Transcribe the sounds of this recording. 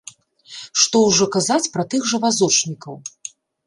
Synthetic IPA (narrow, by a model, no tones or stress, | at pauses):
ʂt̪ɔwʐɔkazat͡sʲpɾɐt̪ɨɣʐɐvazɔt͡ʂnʲikɐw